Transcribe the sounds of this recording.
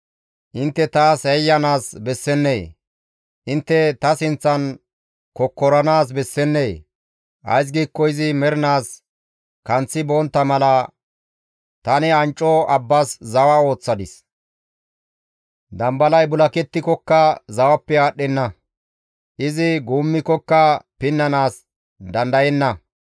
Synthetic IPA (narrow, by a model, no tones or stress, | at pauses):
ʔɪnt̪ːɛt̪aːsɛjːɐnaːsbɛsːɛnːeː | ʔɪnt̪ːɛt̪ɐsɪnt͡sːɐn | kɔkːɔɾɐnaːs̬bɛsːɛnːeː | ʔɐ̰js̬ɡiːkːɔɪzɪmɛɾɪnaːs | kɐnt͡sːɪboːnt̪ːɐmɐlɐ | t̪ɐnɛɐnt͡ʃʼːɔɐbːɐszɐwɐo̞ːt͡sːɐd̪ɪs | d̪ɐmbɐlɐjbʊlɐkɛt̪ːɪkɔkːɐzɐwɐpːɛaːɗːɛnːɐ | ʔɪzɪɡuːmːɪkɔkːɐpɪnːɐnaːs | d̪ɐnd̪ɐjɛnːɐ